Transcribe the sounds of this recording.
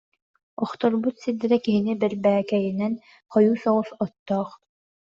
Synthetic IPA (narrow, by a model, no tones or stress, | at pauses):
ɔχt̪ɔɾbut̪sid̪ɛɾɛkiɦinibɛɾbæːkɛjinɛn | χɔjuːsɔʁusɔt̪ːɔːχ